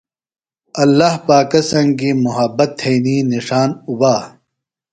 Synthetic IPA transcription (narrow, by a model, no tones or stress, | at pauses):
ɐlːaːhpaːkɐsɐŋɡimuɦɐbɐt̪ʰːejniːniʂaːnubaː